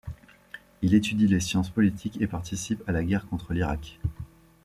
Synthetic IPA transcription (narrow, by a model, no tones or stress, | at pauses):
ilet̪yd̪ilesjɑ̃spɔlit̪ʰikepaʁt̪isipalaɡʲɛʁkɔ̃t̪χəliʁak